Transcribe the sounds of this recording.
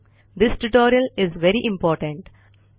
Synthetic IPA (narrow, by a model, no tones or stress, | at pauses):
d̪ɪsʈʊʈoːɾiəlɪzʋɛɾiʔɪ̃mpɔːɾʈə̃ɳʈ